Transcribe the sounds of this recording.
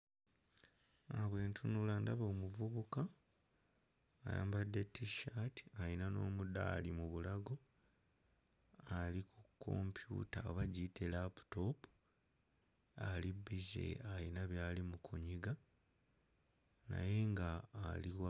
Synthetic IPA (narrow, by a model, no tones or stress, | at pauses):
aβwe̞ːntʰunulaːndaβo̞ːmuvuβuka | ja̰ːmbadːe̞tːiʃati̥ajinano̞ːmuda̰ːlimuβulaɡo̞ | alikʰukʰːo̞̰mpjṵtaβaɟitʰelapu̥to̞pu | alibizḛajinaβjaːlimukʰuɲiɡa | na̰je̞ŋɡaːliwa